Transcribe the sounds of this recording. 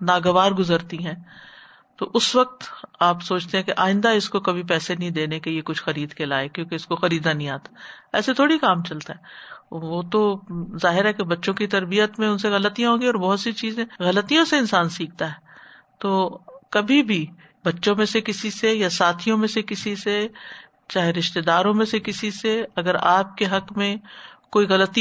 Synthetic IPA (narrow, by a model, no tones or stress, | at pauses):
naːɡɐʋaːɾɡʊzəɾt̪iɦɛ̃ː | t̪oːʔʊsʋɐk̚t̪aːpsoːt͡ʃʰt̪eɦɛ̃keʔaːɪ̃nd̪aɪskokɐbʱip̬ɛːsenɐɦĩd̪eːnekelijekʊt͡ʃʰxɐɾiːd̪kelaːekjõːkeɪskoxɐɾiːd̪anəɦĩaːt̪ḁɛ̰ːset̪ʰoːɽikaːmt͡ʃɐlt̪aɦɛːʋoːt̪ozaːɦɪɾɦɛkebɐtːʃõkit̪ɐɾbijət̪mẽʊnseɣɐlət̪ijãɦõːɡiɔːɾbɔɦʊt̪sit͡ʃiːzẽːɣɐlət̪ijõseɪnsaːnsiːk̚ʰt̪aɦɛː | t̪oːkɐbʱibʱi | bɐtːʃõmẽsekɪsisejasaːt̪ʰijõmẽsekɪsise | t͡ʃaːɦeɾɪʃt̪ed̪aːɾõmẽsekɪsiseɐɡəɾaːp̚keɦɐkmẽkoːiɣɐlət̪i